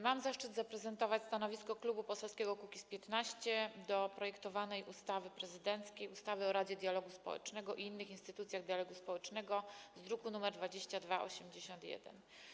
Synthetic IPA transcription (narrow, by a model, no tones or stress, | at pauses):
mamzaʂt͡ʂɘd̪zapɾɛzɛnt̪ɔvat͡ɕst̪anɔvʲiskɔklubupɔsɛlskʲɛɡɔkukʲispʲjɛt̪naɕt͡ɕɛd̪ɔpɾɔjɛkt̪ɔvanɛjʔust̪avɘpɾɛzɘd̪ɛnt̪skʲejust̪avɘɔɾad͡ʑɛd̪ʲjalɔɡuspɔ̰wɛ̰t͡ʂnɛɡɔʔiinːɘxinst̪ɘt̪ut̪sʲjaɣd̪jalɔɡuspɔwɛt͡ʂnɛɡɔzd̪ɾukunumɛɾd̪vad͡ʑeɕt͡ɕad̪vaʔɔ̰ɕɛmd͡ʑeɕɔnt̪jɛ̰d̪ɛ̰n